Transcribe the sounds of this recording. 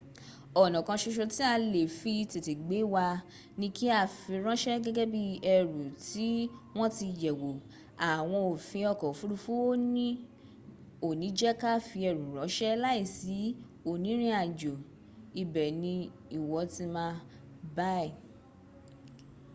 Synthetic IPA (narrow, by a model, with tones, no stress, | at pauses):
ɔ˨nã˨kã˧ʃo˧ʃo˧ti˦a˧le˨fi˧te˨te˨ɡ͡be˨˦wa˧ | nĩ˧ki˦a˦˨fi˧ɾ̃ã˦ʃɛ˦ɡɛ˦ɡɛ˦bi˦ɛ˧˨ɾu˨ti˨˦w̃ɔ̃˦ti˧˨jɛ˨wo˨ | a˨w̃ɔ̃˧o˨fĩ˧ɔ˧kɔ˨fu˦ɾu˦˧fu˦o˦nĩ˦ | o˨nĩ˨˦d͡ʒɛ˦ka˦fi˧ɛ˧˨ɾũ˨ɾɔ˨˦ʃɛ˦la˦i˦˨si˨˦ | o˨nĩ˨˦ɾ̃ĩ˦a˨d͡ʒo˨ | i˧˨bɛ˨nĩ˧ | i˨wɔ˧˦ti˧mãː˧ | ba˦ɛ˦˨